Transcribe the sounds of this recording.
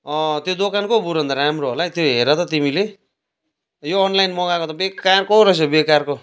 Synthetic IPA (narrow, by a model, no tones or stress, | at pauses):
ʌt̪jod̪okankobuɾʌnd̪aɾamroɦolajt̪joɦeɾʌt̪ʌt̪imile | joːnlajnmʌɡakot̪ʌbekarkoɾʌsebekarko